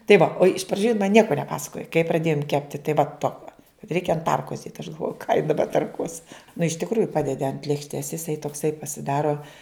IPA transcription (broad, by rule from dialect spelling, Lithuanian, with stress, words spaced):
tɐɪ ʋɐ oː ɪʃ prɐˈd͡ʒʲuː jɪn mɐn ˈnʲiɛkoː nʲɛˈpɑːsɐkoːjoː kɐɪ prɐˈdʲeːjʊm ˈkʲæːpʲtʲɪ tɐɪ ʋɐ ˈtoːkɐ ˈrʲɛɪkʲɛ ɐn ˈtɐrkoːs dʲeːt ɐʃ ɡɐlˠˈʋoːjʊ kɑː jɪ dɐˈbɐ tɐrˈkuɔs nʊ ɪʃ tʲɪkˈruːjʊ ˈpɑːdʲɛdʲɪ ɐnt lʲeːkʃʲˈtʲeːs jɪˈsɐɪ toːkˈsɐɪ pɐsʲɪˈdɑːroː